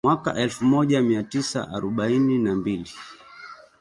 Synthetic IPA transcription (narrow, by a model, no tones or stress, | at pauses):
mwaka̰ʔɛlfumɔʄamiatisa̰ʔaɾɔɓaininambili